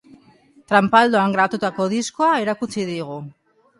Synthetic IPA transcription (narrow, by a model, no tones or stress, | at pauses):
t̪ɾampald̪o̞aŋɡɾaβat̪ut̪ako̞ðisko̞aeɾakut͡siðiɣ̞u